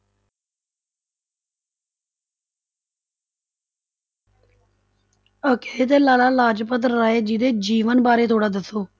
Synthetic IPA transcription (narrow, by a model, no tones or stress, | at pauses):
əkeːt̪eːlaːlaːlaːd͡ʒpət̪ɾːaːeːd͡ʒid̪eːd͡ʒiːʋənbaːɾeːt̪ʰoːɽaːd̪əsːoː